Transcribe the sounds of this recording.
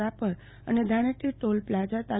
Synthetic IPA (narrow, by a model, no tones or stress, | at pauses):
apəɾ | ə̰ned̪ʱaɽ̃eʈiʈolplad͡ʒat̪a